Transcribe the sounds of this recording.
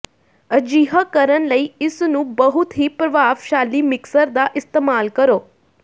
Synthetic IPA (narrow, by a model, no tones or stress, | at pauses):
əd͡ʒiɦəkəɾənləiɪsnũbəɦut̪ɦipɾəʋaʋʃalimɪksəɾd̪aʔɪst̪emalkəɾoː